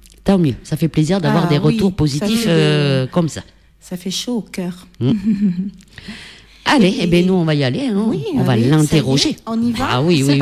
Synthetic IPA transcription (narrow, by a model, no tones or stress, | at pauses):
t̪ɑ̃mjøsafɛpleziʁd̪avwaʁd̪eʁət̪uʁpozit̪iføkɔmsa | safɛʃookʲœʁm̩ | aleːbɛ̃nuɔ̃vaialeɛ̃ɔ̰̃valːɛ̃t̪eʁɔʒea̰wiw